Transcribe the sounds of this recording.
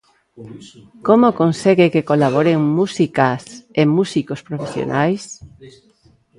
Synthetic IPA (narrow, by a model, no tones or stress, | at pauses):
komokõnseɣekekolaβ̞oɾeŋmusikasemusikospɾofesjo̰nʔajs